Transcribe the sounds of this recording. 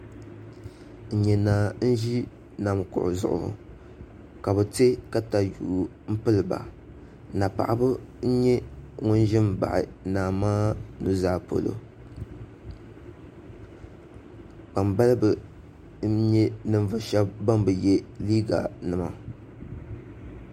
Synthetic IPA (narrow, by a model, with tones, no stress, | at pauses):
n̩˨ɲɛ˨na˨n̩˦ʒi˦ | na˨mkʊ̰˨ʔʊ̰˨zʊ̰˨ʔʊ̰˨h | ka˨bɨ˨te˦ka˦ta˨juː˨ | m̩˦pɨ˦lɨ˨ba̰˨ | na˨pa̰˨ʔa˦bɨ˦n̩˦ɲɛ˦ŋʊ˦n˦ʒɪ˦mba̰˨ʔɪ̰˨naː˨maː˦nu˦zaː˦˨po̰˨lo̰˨ | k͡pa˨mba˦lɨ˦bɨ˨˦ | ɲɛ˦nɨ˦ɱ˦vɨ˨ʃɛ˦bːa˦mbɨ˨jɛ˦liː˦ɡa̰˨nɨ˨ma̰˨